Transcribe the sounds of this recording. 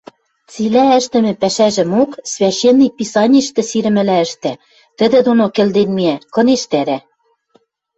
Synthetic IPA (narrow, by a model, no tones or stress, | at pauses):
t͡silæɘ̆ʃt̪ɘ̆mɘ̆pæʃæʒɘ̆moksvʲæɕːenːipisɑnʲiʃt̪ɘ̆siɾɘ̆mɘ̆læɘ̆ʃt̪æ | t̪ɘ̆d̪ɘ̆d̪onokĕld̪enmiækɤ̆neʃt̪æɾæ